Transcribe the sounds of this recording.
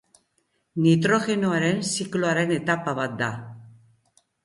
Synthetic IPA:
nit̪̬ɾo̞ɣe̞noaɾe̞nsikloaɾe̞ne̞t̪apaβat̪̚d̪a

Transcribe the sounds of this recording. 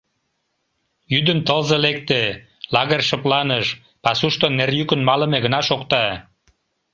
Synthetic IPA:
jyd̪ənt̪əlzelek̚t̪e | lɑɣərʃə̆plɑnəʃ | pɑsuʃt̪onːerjykənmɑlə̆meɣənɑʃokt̪ɑ

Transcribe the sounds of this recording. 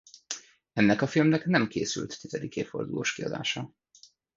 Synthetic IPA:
ɛnːɛkɒfilmnɛknɛmkḛːsy̰lt̪ːizɛd̪ikeːfo̞̰rd̪uloːʃkiɒ̰d̪a̰ːʃɒ

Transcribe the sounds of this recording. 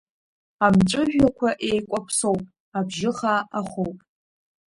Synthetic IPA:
amʈ͡ʂʷʼɨʒᶣakʷʰaʔejkʷʼapʰso̞wpʼ | abʒɪχaaχowpʼ

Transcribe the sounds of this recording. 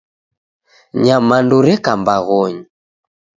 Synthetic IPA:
ɲamanduɾɛkambaɣɔɲi

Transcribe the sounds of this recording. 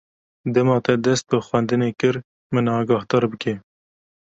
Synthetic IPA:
d̪ɛmɑːt̪ɛd̪ɛst̪̚bɨxwɛnd̪ɨneːkɨɾ | mɨnɑːɡɑːht̪ɑːɾbɨke

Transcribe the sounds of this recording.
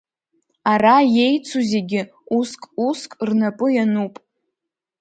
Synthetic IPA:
araje̞jt͡sʰuzʲeɡʲɪ | uskʼuskʼrnapʼʊjanupʼ

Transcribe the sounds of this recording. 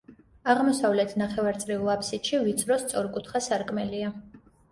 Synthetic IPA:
aʁmɔsavlɛt̪ʰnaχɛvaɾt̪sʼɾiulˠapʰsit̪ʃivit̪sʰʼɾɔst̪sʼɔɾkʼut̪ʰχasaɾkʼmɛlia

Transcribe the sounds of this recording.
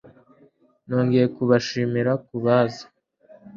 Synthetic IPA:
noːŋɡejekuβaʃiːmiɾakuβaːzḁ

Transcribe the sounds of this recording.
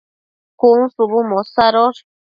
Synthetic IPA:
kuŋsuβumosaɾoʂ

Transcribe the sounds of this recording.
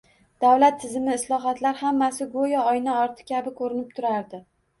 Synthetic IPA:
d̪̥awlat̪ʰːɪzɪmɪːslˠɒɦat̪laɾhamːasɪɡojaɒjnaɒɾt̪ʰɪ̥kʲʰabɪkʰɵɾɪnɪp̚t̪ʰʊɾaɾd̪ɪ

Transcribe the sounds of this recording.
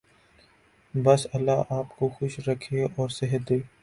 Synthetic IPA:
bɐsɐlːaʔaːpkoxʊʃɾɐkʰeɔːɾsɛɦət̪̚d̪eː

